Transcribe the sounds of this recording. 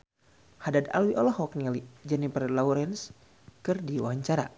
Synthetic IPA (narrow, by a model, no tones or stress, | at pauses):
hadada̰lwiʔɔlɔhɔk̚nilid͡ʒɛnipərlauɾɛns | kɨrdiwaaɲt͡ʃaɾa̰